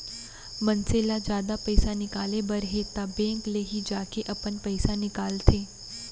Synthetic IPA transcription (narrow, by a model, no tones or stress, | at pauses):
mənseːlad͡ʒjaːd̪apɛɪsanɪkaːlebəɾɦet̪abɛ̃ːŋkleɦid͡ʒaːkeʔɐpənpɛɪsanɪkaːlt̪ʰeː